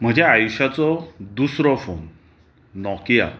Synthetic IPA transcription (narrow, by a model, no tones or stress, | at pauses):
m̤əd͡ʑeajuɕat͡sɔd̪usɾɔfon | nɔkija̰